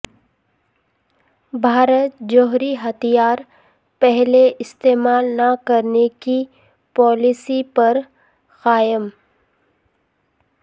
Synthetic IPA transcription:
bʱaːɾət̪̚d͡ʒoːɦɾiɦɐt̪ʰijaːɾ | pɛɦleɪst̪eːmaːlnakɐɾneki | pɔːlɪsipɐɾ | xaːjəm

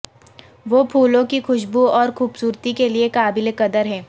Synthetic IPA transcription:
ʋoːpʰuːlõkixʊʃbuɔːɾxuːbsuːɾt̪ikeliekaːbɪlekɐd̪əɾɦɛ̃ː

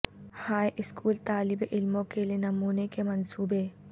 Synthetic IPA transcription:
haːjʔɪskʰuːlt̪aːlɪbeʔɪlmõkelienɐmuːnekemɐnsuːbeː

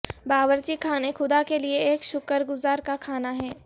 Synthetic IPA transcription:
baːʋəɾt͡ʃikʰaːnexʊd̪akelieeːkʃʊkəɾɡʊzaːɾkakʰaːnaɦɛː

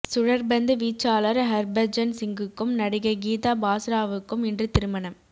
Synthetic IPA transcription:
sʊɻɐɾbɐnd̪ɯʋiːt͡ʃːaːlɐɾɦɐɾbɐɾd͡ʒɐnsɪŋɡɯkːɯmnɐɽɪɣɐɡiːt̪aːbaːsɾaːʋɯkːɯmɪndrɯt̪ɪɾɯmɐɳɐm

